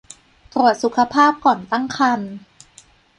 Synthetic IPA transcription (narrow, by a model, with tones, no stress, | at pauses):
t̪ɾu˨˩ət̪̚su˨˩˦kʰa˧pʰaː˥˩p̚kɔː˨˩nt̪a˥˩ŋkʰa˧n